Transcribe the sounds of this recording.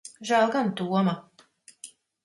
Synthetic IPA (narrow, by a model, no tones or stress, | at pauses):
ʒalˠɡant̪uɔma